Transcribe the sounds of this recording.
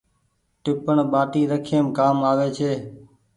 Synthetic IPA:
ʈɪpəɳɓaːʈiːɾəkʰeːmkaːmaːʋeːt͡ʃʰeː

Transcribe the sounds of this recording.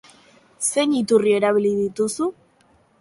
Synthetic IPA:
se̞nit̪urie̞ɾaβ̞iliðit̪usu

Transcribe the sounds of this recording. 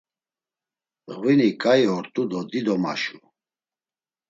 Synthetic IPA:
ʁwinikʼaiɔɾt̪ʼud̪ɔd̪id̪ɔma̰ʃu

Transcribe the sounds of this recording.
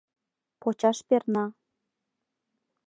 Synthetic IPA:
pot͡ɕɑʃpernɑ

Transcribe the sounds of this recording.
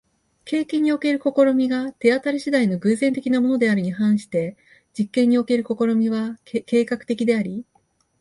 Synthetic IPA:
ke̞ːkẽɲ̟ːio̞ke̞ɾɯ̟ko̞ko̞ɾo̞mʲiɡat̪e̞at̪aɾɯɕid̪aino̞ɡɯ̟ze̞nt̪e̞kʲinamo̞no̞d̪e̞aɾɯ̟ɲ̟iɦãɰ̃ɕi̥t̪e̞ | d͡ʑikːẽ̞ɲ̟ːio̞ke̞ɾɯ̟ko̞ko̞ɾo̞mʲiβake̞ːkakɯ̥t̪e̞kʲid̪e̞aɾʲi

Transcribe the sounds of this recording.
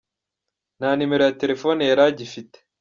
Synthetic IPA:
naːnimeɾojate̞ɾe̞fo̞nejaɾaɟifite̥

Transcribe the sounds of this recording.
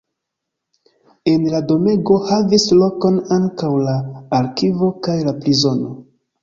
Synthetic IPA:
e̞nlado̞me̞ɡo̞havislo̞ko̞naŋkawlaːɾkivo̞kajlaplizo̞no̞

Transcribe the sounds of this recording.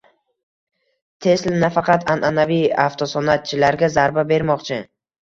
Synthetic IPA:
t̪ʰe̞slnafɑqʰɑt̪ʰanʔanavijaft̪ʰɒsɒnat̪̚t͡ʃʰɪlaɾɡʲazaɾbabe̞ɾmɒqt͡ʃʰɪ

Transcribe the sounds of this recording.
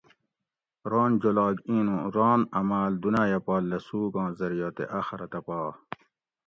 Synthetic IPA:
ɾɑːnd͡ʑolɑːɡĩːnũɾɑːnɐmaːld̪unaːjɐpɑːlːɐsuːɡɑ̃ːzɐɾijoːt̪ḛʔaxɐɾɐt̪ɐpɑː

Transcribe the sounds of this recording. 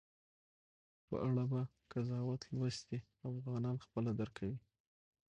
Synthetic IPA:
pə̰ʔaɽaba | kazɑwat̪lwəst̪e | afɣɑnɑnxpəlad̪aɾkʰawi

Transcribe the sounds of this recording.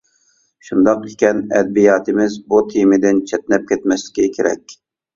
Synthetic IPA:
ʃund̪ɑqekʲɛnɛ̰d̪̚bijɑːt̪ɪmɪzbut̪ʰimɪd̪ɪnt͡ʃʰɛt̪̚nɛp̚kʲʰɛt̪mɛslɪ̥kʲikʲʰeɾɛ̰kʲ

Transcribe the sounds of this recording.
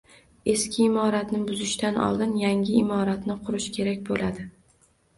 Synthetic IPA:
e̞skʲɪːmɒɾat̪nɪbʊzɪʃt̪anɒ̰lˠd̪ɪnjaŋʲɪːmɒɾat̪nɪqʰʊɾɪʃkʲʰe̞ɾakʲbolad̪ɪ

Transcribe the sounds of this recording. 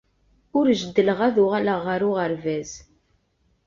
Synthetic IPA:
ʊɾʒəd̪ːəlʁæðʊʁæləʁːəɾʊʁəɾvæz

